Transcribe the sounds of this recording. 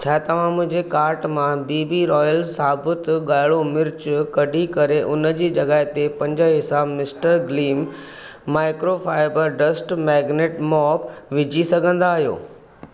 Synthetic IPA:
t͡ɕʰaːt̪ɐʋ̤ãmʊ̃ɦɪ̃ɲd͡ʑekaːɾʈmãbiːbiɾɔːjəlsaːbʊt̪ɠaːɪɭomɪɾt͡ɕʊkɐɖʱikɐɾeʔʊnə̆d͡ʑiːd͡ʑɐɡaːɦɪt̪epɐ̃ɲd͡ʑəɦɪsaːmɪsʈəɾɡliːmː | aːɪkɾofaːɪbəɾɖɐsʈmɛːɡneːʈmɔːpʋɪd͡ʑʱisɐɡʱə̃nd̪aːɦijo̰ː

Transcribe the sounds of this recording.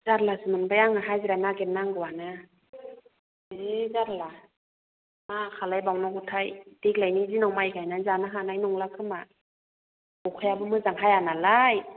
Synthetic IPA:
zaɾlasɯmɯnbajaŋaɦajziɾanaɡenːaŋɡɯwanɯ | ezaɾla | makʰalajbawnɔɡutʰajdik̚lajnizinawmajkʰajnazanaɦanajnɔŋlakʰɯma | bɔkʰɯjabɯmɯzaŋɦajanalaj

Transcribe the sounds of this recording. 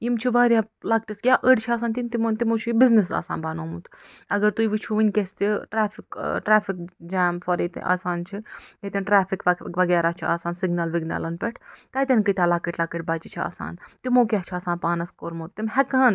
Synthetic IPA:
imt͡ʃʰiʋaːɾʲjaː | laːk̚ʈisɡʲjaːʔəɖt͡ʃʰaːs̬aːnt̪ʲint̪imnt̪imoːt͡ʃʰibiznisa̰ːsa̰ːnbaːnoːmut̪ʰɐɡɐɾt̪uiʋit͡ʃʰuʋinʲkʲesʲt̪iʈɾaːfikʈɾaːfikd͡ʒaːmfɐɾet̪ʔa̰ːsaːnt͡ʃʰiet̪ʲɐnʈɾaːfikʋɐɡɛːɾaːt͡ʃʰia̰ːsaːnsiɡnaːlʋiɡna̰ːlɐnpʲɛʈʰt̪ɐːt̪ɐnkɨt̪ʲaːlaːkəʈlaːkəʈ̚baːt͡ʃit͡ʃʰia̰ːsa̰ːnt̪imoːkʲaɦt͡ʃʰiaːsaːnpaːnɐskoːɾmot̪t̪imɦɛkɐɦən

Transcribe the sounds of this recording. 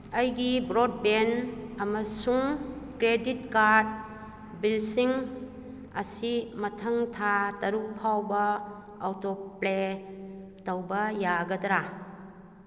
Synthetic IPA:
ɐjɡibɾod̚benɐmɐsuŋkɾeditkaɾd̚ | bilsiŋ | ɐ̰simɐtʰɐŋtʰatɐɾuk̚pʰawbɐː | wtople | tɐwbɐjaɡɐdɾa

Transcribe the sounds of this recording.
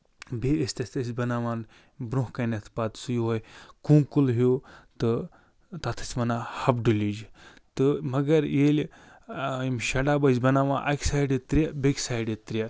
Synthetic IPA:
beisʲt̪ɐsʲt̪ɐsʲbɐnaːʋaːn | bɾuɦkɐnɐt̪ʰpat̪sujɦoːjkũŋkulɦot̪ɨ | t̪ɐt̪ʰɐ̥t͡sʲmɐnahɐbɖulʲid͡ʒ | t̪ɨmɐɡɐɾjeːlʲ | imʃɐɖaːbɐzbɐnaːʋã̰ːnʔɐ̰kʲsajɖit̪ːɾiabekʲsaːiɖit̪ːɾʲja

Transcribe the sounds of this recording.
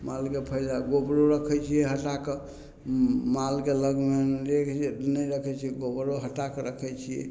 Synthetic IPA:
malkepʰəjlaɡobɾoɾəkʰɛt͡ʃʰijɛɦəʈak | malkeləɡmeɾekʰnəɾəkʰɛt͡ʃʰijɛɡobɾoɦəʈakɾəkʰɛt͡ʃʰijɛ̰

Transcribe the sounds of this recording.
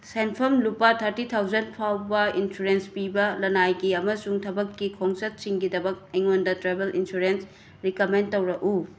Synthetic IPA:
senpʰɐmlupɐtʰɐɾtitʰawzɐnpʰawbɐinsuɾenspibɐlɐnajɡiɐmɐsuŋtʰɐbɐkːikʰoŋsɐt̚siŋɡidɐbɐk̚ɐjŋondɐtɾebelinsuɾens | ɾikomentowɾɐʔu

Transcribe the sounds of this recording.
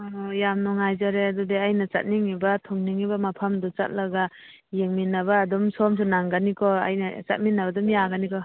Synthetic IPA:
ɔjamnɔŋajzaɾeadudeajnat͡ʃa̰t̚niŋibatʰɔŋniŋibamapʰamdɔt͡ʃa̰t̚laɡa | jeŋminabaːdɔmsɔms̬unaŋɡanikʰɔa̰jnat͡ʃa̰t̚minːabadɔmjaɡanikɔ

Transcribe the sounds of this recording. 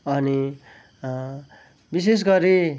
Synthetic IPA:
ʌni | bis̬es̬ɡʌɾi

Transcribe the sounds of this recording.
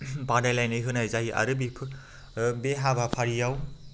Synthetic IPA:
badajlajnɯjɦɯnajzaɦiʔa̰ɾɯbipʰ | beɦabapʰaɾijaw

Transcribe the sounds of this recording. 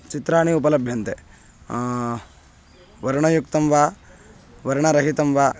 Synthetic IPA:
t͡ʃit̪ɾaːɳiupɐlɐbʱjɐnt̪e | ʋɐɾɐɳɐjukt̪ɐmʋaː | ʋɐɾɐɳɐɾɐɦit̪ɐmʋaː

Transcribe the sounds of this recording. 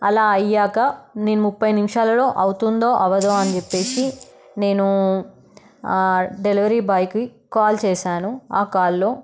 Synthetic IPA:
ɐlaːɐjːaːkɐneːnumupːɐjnimiʂaːlɐlo̞ːʔɐwt̪und̪o̞ːʔɐʋɐd̪oːɐnit͡ʃepːe̞ːsi | ne̞ːnu | ɖeliʋɐɾiːbɐjkikaːlt͡ʃɛːʃaːnuaːkaːlːo̞ː

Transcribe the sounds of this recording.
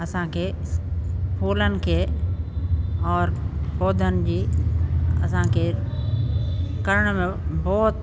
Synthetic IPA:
ɐsãkʰeː | pʰuːlənɪ̆kʰeː | ɔːɾpoːd̪ʱənɪ̆d͡ʑiː | ɐsãkʰeː | kɐɾəɽ̃mẽbɔːt̪

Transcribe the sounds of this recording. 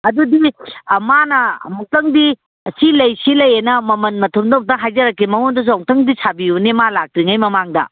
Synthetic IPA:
ɐdudimanɐmɔŋtɐŋdi | silɐjsilɐjenɐmɐmɐnmɐtʰumdɐk̚tɐɦajzɐɾɐkːimɐŋondɐs̬uawŋtɐŋdisʰabiunemalak̚tɾiŋajmɐmaŋdɐ̰

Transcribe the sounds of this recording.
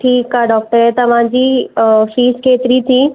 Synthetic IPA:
ʈʰiːkaɖɔːk̚ʈəɾet̪ɐʋ̤ãd͡ʑiːfiːskʰeːt̪ɾit͡ɕiː

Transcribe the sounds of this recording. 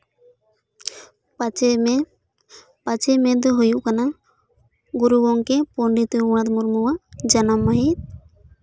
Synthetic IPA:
pat͡ʃemɛd̪ɔɦujuʔkana | ɡuɾubɔŋkɛpɔɳɖit̪uuɽ̃at̪muɾmuwaʔd͡ʒanamːaɦit̪̚

